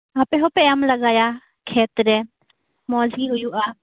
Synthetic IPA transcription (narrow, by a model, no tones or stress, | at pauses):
apɛɦɔpɛjamlaɡaja | kʰɛt̪ɾɛ | mɔd͡ʒiɦujuʔa